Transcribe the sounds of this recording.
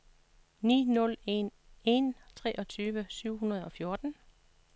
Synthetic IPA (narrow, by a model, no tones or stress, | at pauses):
nḭːnɔ̽le̝n | e̝nt͡sʰʁɛːʔɒ̽t͡sʰyːʋəsyʊ̰ɦunɐð̞̩ˠɒ̽fjo̝ɐd̥n̩